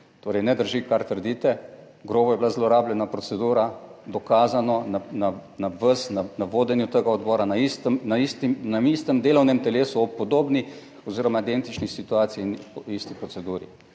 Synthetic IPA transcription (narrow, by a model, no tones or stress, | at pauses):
t̪oːɾɛjnɛd̪əɾʒikaɾt̪əɾd̪iːt̪ɛ | ɡɾoːbɔjɛblazlɔɾaːbljɛnapɾɔtsɛd̪uːɾad̪ɔkaːzanɔnananaʋəsnanaʋoːd̪ɛnjut̪əɡaɔd̪bɔːɾanaist̪əmnaist̪imnaist̪əmd̪eːlɔwnɛmt̪ɛleːsuɔpːɔd̪oːbni | ɔziːɾɔmaid̪ent̪it͡ʃnixsit̪uaːt̪sijinɔist̪ipɾɔsɛd̪uːɾḭ